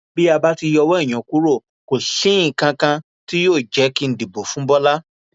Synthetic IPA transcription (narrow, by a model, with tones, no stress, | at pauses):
bi˦a˧ba˦ti˧jɔ˧wɔ˦i˦˨j̃ɔ̃˨ku˦ɾo˦˨ | ko˨sĩ˦ĩ˦˨kã˧kã˧ | ti˦joː˦˨d͡ʒɛ˨˦ki˧n̩˨di˨bo˨fũ˨˦bɔ˦la˦